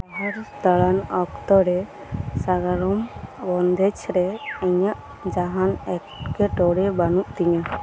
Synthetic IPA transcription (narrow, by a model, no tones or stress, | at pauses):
aɦaɾd̪aɽanɔkt̪ɔɾɛ | saɡaɾɔmbɔnd̪ʱɛt͡ʃʰɾɛɛɲaʔ | d͡ʒaɦanɛkkɛʈɔɽɛbanuʔt̪iɲa